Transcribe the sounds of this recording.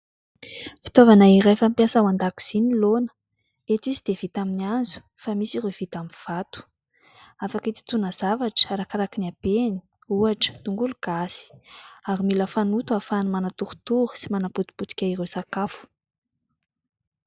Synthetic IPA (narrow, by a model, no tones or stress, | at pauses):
fi̥t̪ovanairefampjasawand̪aku̥z̥inilonə̥ | et̪izid̪̥evit̪aminianzu̥ | famisirev̥it̪amiv̥at̪u̥ | afakit̪i̥t̪unəz̥avaʈ͡ʂə̥aɾakaɾakinabeni̥ | uaʈ͡ʂə̥t̪uŋɡuluɡ̥asi̥aɾimiləfanut̪uafanumanat̪uɾu̥t̪uɾə̥simanaput̪u̥put̪u̥kʲaiɾewsakafu̥